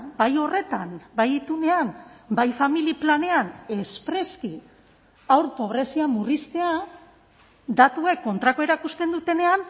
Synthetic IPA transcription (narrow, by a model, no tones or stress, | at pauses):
bajo̞re̞t̪anbajit̪une̞ambajfamiliplane̞ane̞spɾe̞ski | awɾpo̞β̞ɾe̞siamurist̪e̞a | d̪at̪ue̞kːo̞nt̪ɾako̞e̞ɾakust̪e̞nd̪ut̪e̞ne̞an